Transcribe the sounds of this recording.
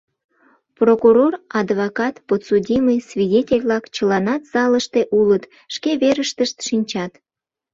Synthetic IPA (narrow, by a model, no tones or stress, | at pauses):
prokuɾorɑd̪vokɑt̪pot̪sudʲiməjsvʲidʲetʲelʲβlɑkt͡ɕəlɑnɑt̪z̥ɑləʃt̪e̽ʔulət̪ | ʃkeβeɾəʃt̪əʃt̪ʃinʲt͡ɕɑt̪